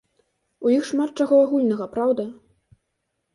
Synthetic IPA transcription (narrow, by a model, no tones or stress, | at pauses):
ujixʂmat̪̚t͡ʂaɣɔaɣulʲnɐɣɐpɾawd̪ɐ